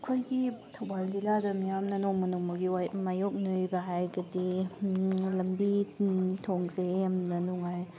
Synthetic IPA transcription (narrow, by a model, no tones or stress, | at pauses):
kʰojɡitʰɐwbald͡ʒiladɐmijamnɐnɔŋmɐnuŋmɐɡiwamajok̚nɯjbɐɦajɡɐdi | lɐmbitʰoŋzeamnɐnuŋaj